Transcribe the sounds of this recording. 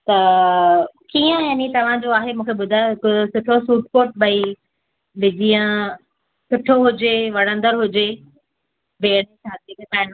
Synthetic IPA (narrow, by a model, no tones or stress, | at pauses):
t̪ɐ | kiːə̃jaːnit̪ɐʋ̤ãd͡ʑoaːɦemũːkʰeɓʊd̪ʱaɪksʊʈʰosuːʈ̚koːʈ̚bɐi | bɪd͡ʑijə̃ | sʊʈʰoɦʊd͡ʑeʋɐɽ̤̃ə̃nd̪əɾɦʊd͡ʑe | beːɽ̃esʰaːt̪ekkaːɪn